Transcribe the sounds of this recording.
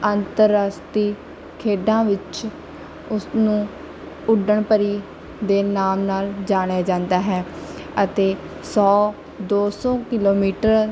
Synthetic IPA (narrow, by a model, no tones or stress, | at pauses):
ənt̪əɾəst̪iː | kʰeːɖãːʋɪt͡ʃ | ʊsnũː | ʊɖəɳpəɾiː | d̪eːnaːmnaːld͡ʒaːɽ̃jaːd͡ʒãːnd̪aːɦɛː | ət̪eː | sɔː | d̪oːsɔ̃ːkɪloːmiːʈəɾ